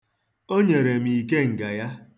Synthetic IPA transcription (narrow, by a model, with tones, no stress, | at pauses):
o˦ɲe˨ɾe˨m̩i˨i˨ke˦ŋ̩˨ɡa˨ja˦